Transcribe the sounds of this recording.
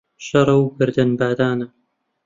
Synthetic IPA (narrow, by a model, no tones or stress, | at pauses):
ʃɐɾˤɐwɡɨɾd̪ɐnbaːd̪aːnɐ